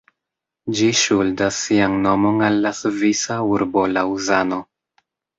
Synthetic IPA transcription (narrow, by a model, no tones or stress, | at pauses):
d͡ʒiʃuldasːianno̞mo̞nalːasvisauɾbo̞lauzano